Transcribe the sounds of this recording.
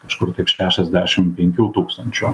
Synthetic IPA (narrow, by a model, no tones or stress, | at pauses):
kɐʃkʊɾt̪ɐɪpʃʲæːʃʲɛzʲd̪ʲæʃʲɪmpʲɛŋʲkʲuːt̪uːkst̪ɐnʲt͡ʃʲu